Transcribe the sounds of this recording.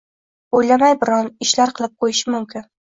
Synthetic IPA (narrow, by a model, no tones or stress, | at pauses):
ojlamajbɪɾɒnɪʃlaɾqʰɨlˠɪp̚qʰojɪʃɪmʊmkʲɪn